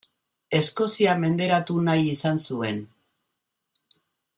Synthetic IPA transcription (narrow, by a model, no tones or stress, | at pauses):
e̞sko̞siame̞nd̪e̞ɾat̪unajisansue̞n